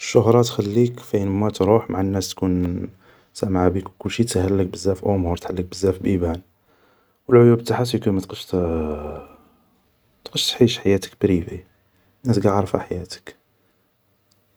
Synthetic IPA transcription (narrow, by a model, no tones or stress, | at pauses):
ʃːʊɦɾˤɑt̪xælːikfiənmæt̪ɾuħmaʕanːæst̪kun | sæmʕabikwkʊlːʃit̪hælːək̚bəzːæfʔumhuɾt̪ħalːək̚bəzːæfbibæn | wəlʕʊjubt̪aħat̪ikunmæt̪qəʃt̪ | t̪qəʃt̪ħiʃħajæt̪ə̥k̚bɾivi | nːæsɡæʕɑɾˤfa̰ħajæt̪ə̥k